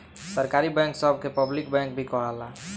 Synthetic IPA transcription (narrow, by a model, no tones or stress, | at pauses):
səɾkaɾibɛŋksɔb̚kepəblɪk̚bɛ̃ŋk̚bʱikɔɦala